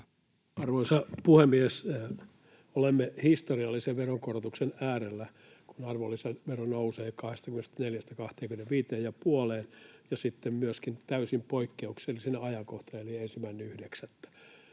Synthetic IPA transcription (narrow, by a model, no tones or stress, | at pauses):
ɑrʋoisɑpuhemːies | olemːehist̪oriɑlːiseʋʋeroŋkorot̪uksenæːrelːæ | kunɑrʋolːisenʋeronouseːkɑhest̪ɑkymːenest̪æneljæst̪ækɑht̪eːŋkymeneʋʋiːt̪eːjjɑpuoleːnjɑsit̪ːemmyøskint̪æysimpoikːeukselːisinːeɑjɑŋkoht̪ɑneliensimːæineyhdeksæt̪ːæ̥